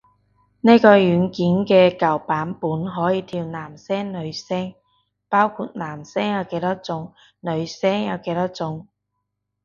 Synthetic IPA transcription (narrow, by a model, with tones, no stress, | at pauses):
neː˥kɔː˧jyː˨˥nkiː˨˥nkɛː˧kɐ˨˩wpaː˨˥npuː˨˥nɦɔː˨˥jiː˨˧t̪ʰiː˧wnaː˨˩msɛː˥ŋnɵ˨˧ɥsɛː˥ŋ | paː˥wkʰuː˧t̚naː˨˩msɛː˥ŋjɐ˨˧wke˨˥jt̪aː˥t͡sʊ˨˧ŋ | nɵ˨˧ɥsɛː˥ŋjɐ˨˧wke˨˥jt̪aː˥t͡sʊ˨˧ŋ